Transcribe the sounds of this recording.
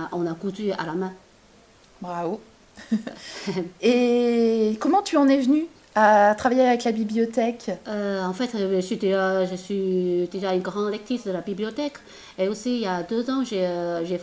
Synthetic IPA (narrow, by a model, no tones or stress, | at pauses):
ʔɔ̃nakut̪ya̰lamɛ̃ | bʁavo | e | kɔmɑ̃t̪yɑ̃nɛvny | at̪χavajeavɛklabibliɔt̪ɛkøɑ̃fɛt̪ʒəsɥid̪eʒaʒəsɥid̪eʒaynɡʁɑ̃d̪lɛk̚t̪χisd̪əlabiblijɔt̪ɛk | eosijad̪øzɑ̃ʒeøʒe